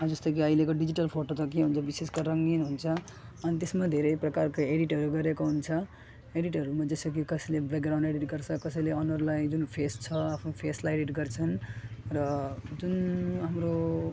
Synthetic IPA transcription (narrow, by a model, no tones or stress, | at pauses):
d͡zʌst̪ʌkiʌilekoɖid͡ziʈʌlpʰoʈot̪ʌkeɦunt͡sʰʌbiseskoɾʌŋɡinɦunt͡sʰʌ | ʌnit̪esmad̪ʱeɾʌjprʌkarkoeɽiʈɦʌɾuɡʌɾekoɦunt͡sʰʌ | eɽiʈɦʌɾumad͡zʌsʌk̬ikʌsʌjlebekɡɾãw̃ɳɖeɽiʈɡʌɾt͡sʰʌkʌsʌjleʌnʌɾlajd͡zunpʰest͡sʰʌapʰnopʰeslaeɽiʈɡʌrt͡sʰʌnrʌd͡zunɦamɾo